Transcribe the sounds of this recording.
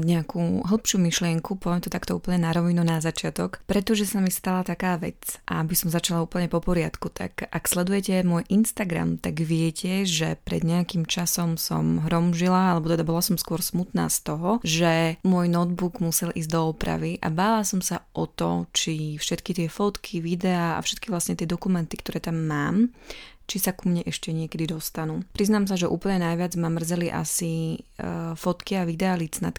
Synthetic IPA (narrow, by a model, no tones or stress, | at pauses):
ɲɛakuɦl̩pʃuːmiʃlɪɛŋkupɔʋɛmt̪ɔt̪akt̪ɔṵːpl̩ɲɛnaɾɔʋinunazat͡ʃɪat̪ɔkpɾɛt̪ɔʒɛsamist̪alat̪akaːʋɛ̰t͡sʔa̰abisɔmzat͡ʃalauːpl̩ɲɛpɔpɔɾɪat̪kut̪ʰa̰kʔakslɛd̪ujɛcɛmʊɔjʔinst̪aɡɾa̰mt̪aɡʋɪɛcʰɛʒɛpɾɛ̰d̪ɲɛakiːmt͡ʃasɔmsɔ̰mɦɾɔmʒilaalɛbɔt̪ɛd̪abɔlasɔmskwɔɾsmut̪na̰ːst̪ɔɦɔʒɛmʊɔjnɔd̪buɡmusɛlʔiːzd̪ɔɔpɾa̰ʋiʔa̰baːlasɔmsaʔɔt̪ɔ̰t͡ʃifʃɛt̪kit̪ɪɛfɔt̪kʰiʋid̪ɛaːa̰fʃɛt̪kiʋlasɲɛt̪ɪɛd̪ɔkumɛnt̪ikt̪ɔɾɛːt̪amːaːmt͡ʃisakumɲɛʔɛʃcɛɲɪɛkɛd̪id̪ɔst̪anuːpɾiznaːms̬aʒɛʔṵːpl̩ɲɛnajʋɪad͡zmamr̩zɛliʔa̰si | fɔt̪kiaʋid̪ɛalit͡snat̪